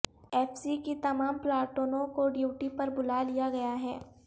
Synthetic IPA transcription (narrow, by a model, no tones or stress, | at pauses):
ɛːfsikit̪ɐmaːmplaːʈoːnõkoɖjuːʈipɐɾbʊlalijaɡɐjaɦɛː